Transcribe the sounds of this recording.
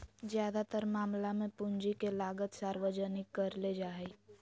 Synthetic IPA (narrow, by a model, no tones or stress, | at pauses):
zjaːd̪at̪əɾmaːmlamẽpʊɲd͡ʒikelaːɡət̪saːɾwəd͡ʒənɪkːəɾled͡ʒaːe